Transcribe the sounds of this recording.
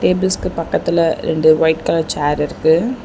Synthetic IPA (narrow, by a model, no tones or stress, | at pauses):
ʈeːbɪlskɯpɐkːɐt̪ːɪlɐɾɛ̰ɳɖɯʋɐɪʈkɐːlɐt͡ʃaːɾɪɾɯkːɯ